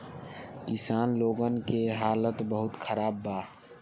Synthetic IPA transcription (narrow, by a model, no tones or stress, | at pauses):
kɪsaːnloːɡənkeɦaːlət̪bəɦʊt̪kʰəɾaːbːaː